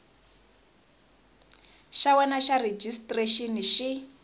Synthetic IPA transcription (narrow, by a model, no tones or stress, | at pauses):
ʃawɛnaʃared͡ʒistʼreʃiniʃi